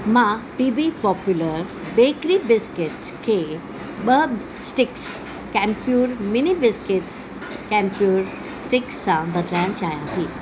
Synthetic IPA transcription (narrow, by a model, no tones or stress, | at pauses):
mãpibipɔpjuləɾ | bekɾibɪskɪʈ | kʰe | bəb | sʈɪks | kɛ̃mpjuːɾminibɪskɪʈs | kɛ̃mpjuːɾ | sʈɪkst͡sãbəd̪lãnt͡ʃajãɦi